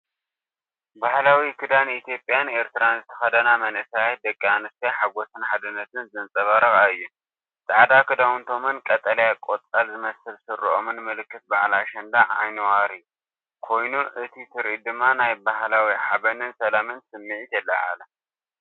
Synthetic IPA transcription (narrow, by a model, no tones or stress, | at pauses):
bahlawikʰɨd̪anit̪ʰjo̞pʼjane̞ɾt̪ʰɨɾanzɨt̪ʰɐxɐd̪ɐnamɐnɨsaj̪̚d̪ɐkʼːianɨst̪ijaħaɡo̞sɨnħad̪ɨnːɐt̪ʰɨnzɨnt͡sʼɐβaɾɐxʼaɨjːu | t̪ʼaʕad̪akʰɨd̪awunt̪ʰo̞mɨnkʼɐt̪ʼɐlɐjakʼot͡s̪ʼɐlzɨmɐsɨlsɨɾːʔomɨnmɨlɨkːɨt̪̚baʕlaʃɐnd̪aʕʕa̰jnɨwaɾiju | kʰo̞jnuʔɨt̪ʰit̪ʰɨɾʔid̪ɨmːanajbaɦlawiʕabɐnɨnsɐlamɨnsɨmːiʕit̪ʰɐlːa̰ʕa̰lɐ